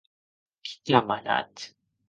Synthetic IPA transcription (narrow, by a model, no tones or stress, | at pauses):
ki̥tamana̰t̪